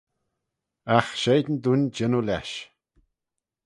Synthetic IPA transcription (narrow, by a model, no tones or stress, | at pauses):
axʃejd̪nd̪unʲd͡ʒənula̰ʃ